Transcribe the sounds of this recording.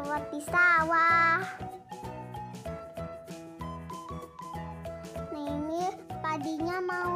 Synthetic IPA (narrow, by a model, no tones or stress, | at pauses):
wapisawa | naiŋəpadiɲamau